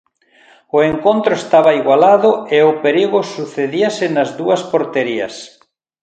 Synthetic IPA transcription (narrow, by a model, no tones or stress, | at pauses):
ʊeŋkont̪ɾʊest̪aβɐiɣwalaðʊeʊpeɾiɣʊsuθeðiasɪnɐzðuɐspoɾt̪eɾiɐ̰s